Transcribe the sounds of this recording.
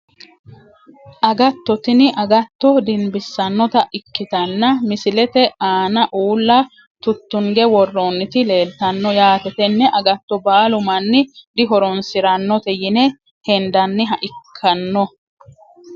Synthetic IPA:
ʔɐɡɐt̪ːɔt̪ɪnɪʔɐɡɐt̪ːɔd̪ɪnbɪsːɐnːɔt̪ɐʔɪkːɪt̪ɐnːɐmɪsɪlɛt̪ɛʔaːnɐʔuːlːɐ | t̪ʊt̪ːʊŋɡɛwɔrːonːɪt̪ɪle̞ːlt̪ːɐnːɔjaːt̪ɛt̪ɛnːɛʔɐɡɐt̪ːɔbaːlʊmɐnːɪd̪ɪɦɔɾɔnsɪɾɐnːɔt̪ɛjɪnɛ | hɛnd̪ɐnːɪɦɐʔɪkʰːɐnːɔ

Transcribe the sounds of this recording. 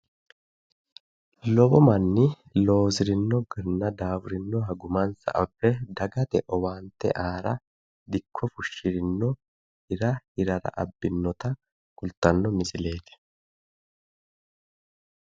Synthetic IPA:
lɔbɔmɐnːɪ | lo̞ːzɪɾɪnːɔɡɪɾnːɐd̪aːwʊɾɪnːɔɦɐɡʊmɐnsɐ̰ʔɐbːɛd̪ɐɡɐt̪ɛʔɔwaːnt̪ːɛ̰ʔaːɾɐ | d̪ɪkʰːɔfʊʃːɪɾɪnːɔ | hɪɾɐhɪɾɐɾɐ̰ʔɐ̰bːɪnːɔt̪ɐ | kʊlt̪ːɐnːɔmɪsɪle̞ːt̪ɪ̥

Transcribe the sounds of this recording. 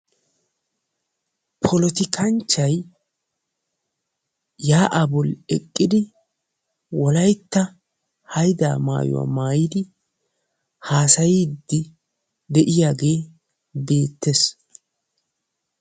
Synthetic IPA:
pʰɔlɔt̪ɪkʰɐnt͡ʃːɐj | jaːʔɐbʊlɛkʼːɪd̪ɪ | wɔlɐjt̪ːɐ | hɐjd̪a̰ːma̰ːjɔ̰wa̰maːjɪd̪ɪ | haːsɐjid̪ːɪ | d̪ɛʔɪjaːɡe̞ː | be̞ːt̪ːes

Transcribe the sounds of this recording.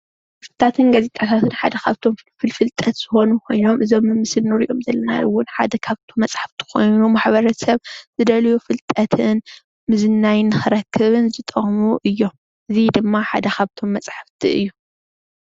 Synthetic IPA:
fɨt̪ʼːat̪ʰɨnɡɐzet̪ʼat̪ʰat̪ʰɨnħad̪ɐkʰaβt̪ʰo̞mfɨlfɨlt̪ʼɐt̪z̥ɨxo̞nukʰo̞jno̞mʔɨzo̞mːɨmːɨsɨlnɨɾiʔomzɐlːɐna̰ʔɨwːʊnħa̰d̪ɐkʰaβt̪ʰomːɐt͡sʼħaft̪ʰi̥kʰo̞̰jnumaħbɐɾɐsɐβz̥ɨd̪ɐljufɨlt̪ʼɐt̪ʰɨn | mɨzɨnːajnːɨxɨɾɐkʰːɨβɨnzɨt̪ʼɐɣʼmuʔɨjːo̞m | ʔɨzid̪ɨmːaħa̰d̪ɐxʰaβt̪ʰo̞mːɐt͡sʼħaft̪ʰḭɨ̰jːu

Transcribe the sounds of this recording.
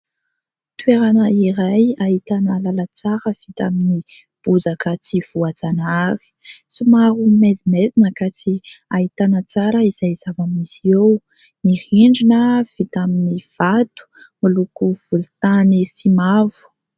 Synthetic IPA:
t̪weɾanəiɾajahit̪anəlalət͡saɾəv̥it̪amini | b̥uzakət͡siv̥uad͡zanaɾi̥sumaɾumezimezinəkat͡siait̪anət͡saɾəizajzavamisiew | nihiɳɖ͡ʐinəv̥it̪aminiv̥at̪u̥milukuv̥ulut̪anisimavu̥

